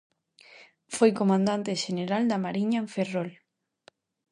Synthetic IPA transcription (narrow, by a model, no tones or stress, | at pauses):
fojkomãnd̪ant̪eʃeneɾald̪amaɾiɲaɱferol